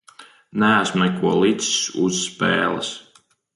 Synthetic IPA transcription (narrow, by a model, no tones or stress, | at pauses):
nææsmnɛkuɔlˠit̪si̥sṵzːpɛ̰ːlˠa̰s